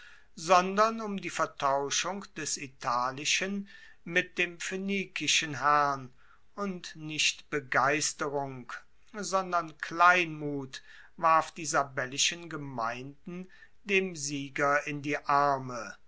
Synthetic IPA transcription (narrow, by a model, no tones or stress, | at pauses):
zɔndɐnʊmdiːfɛɐtʰaʊʃʊŋkd̥ɛsitʰaːlɪʃən | mɪt̚d̥eːmfeniːkɪʃənɦæʁn | ʔʊntnɪʃtb̥əɡaɪstəʁʊŋk | zɔndɐnkʰlaɪnmuːt | vaɐfd̥iːzabɛlɪʃənɡəmaɪ̃ndn̩ | deːmziːɡɐɪndiːʔaɐmə